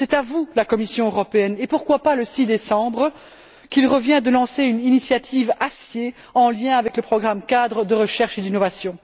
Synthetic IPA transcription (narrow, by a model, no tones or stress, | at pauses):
sɛt̪avulakɔmisjɔ̃øʁɔpeɛnepuʁkwapaləsid̪esɑ̃bʁə | kilʁəvjɛ̃d̪əlɑ̃seyninisjat̪ʰivasje | ɑ̃ljɛ̃avɛkləpχɔɡʁamkad̪ʁəd̪əʁəʃɛʁʃed̪inɔvasjɔ̃